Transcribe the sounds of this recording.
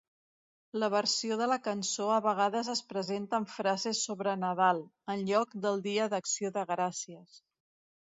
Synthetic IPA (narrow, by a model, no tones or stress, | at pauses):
ləβəɾsioðələkənsoəβəɣ̞aðəzəspɾəzent̪əːɱfɾazesːoβɾənəðalˠ | ənʎɔkd̪əlˠd̪iəðəksioðəɣɾasiəs